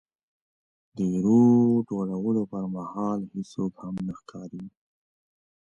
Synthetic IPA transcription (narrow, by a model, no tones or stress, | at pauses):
d̪əɾod͡ʒoɽawəlopəɾmahɑlhisokhamnəxkʰɑɾi